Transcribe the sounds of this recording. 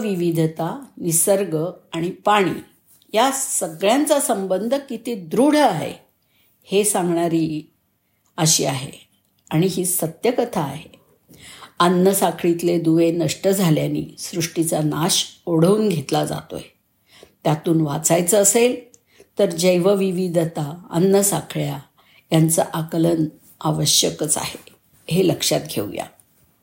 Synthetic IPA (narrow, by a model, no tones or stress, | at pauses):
ʋiʋid̪ʱət̪anisəɾɡəaɽ̃ipaɽ̃ḭː | jasəɡɭjant͡sasəmbənd̪ʱəkit̪ed̪ɾuɽ̤əaɦḛ | hesãŋɡɳaɾiː | əɕiːaɦḛ | aɽ̃iɦiːsət̪jəkət̪ʰaːɦe | anːəsakʰɭit̪led̪uʋenəʂʈəd͡zʱaljanḭːsɾuʂʈit͡sanaɕoɽ̤əuːnɡʱet̪lad͡za̰t̪o̰j | t̪jat̪uːnʋat͡sajt͡səːsel | t̪əɾd͡ʑəjʋəʋiʋid̪ʱət̪aə̰nːəsakʰɭja | jant͡saʔakələn | aʋəɕjəkt͡sa̰he | ɦeləkʂat̪̚ɡʱḛʋja̰